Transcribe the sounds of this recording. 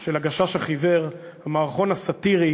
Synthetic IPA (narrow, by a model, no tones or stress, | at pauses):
ʃelaɡaʃaʃaχiveʁ | hamaːʁχo̞nasat̪iʁi